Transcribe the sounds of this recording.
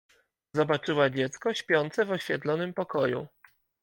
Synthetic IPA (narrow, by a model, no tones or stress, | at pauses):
zɔbat͡ʂɘwad͡ʑɛt̪skɔɕpʲjɔnt̪sɛvɔɕfʲɛt̪lɔnɘmpɔkɔjṵ